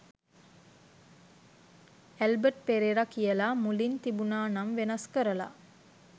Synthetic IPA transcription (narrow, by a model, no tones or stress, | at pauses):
ælbəʈpeɾeɾakijəlamulint̪ibunaːnamʋenɐskəɾəla̰